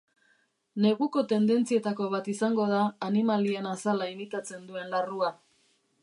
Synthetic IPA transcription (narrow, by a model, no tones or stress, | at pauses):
ne̞ɣuko̞t̪e̞nd̪e̞nt͡sie̞t̪ako̞β̞at̪isaŋɡo̞ð̞aːnimalienasalaimit̪at͡se̞nd̪ue̞nlarua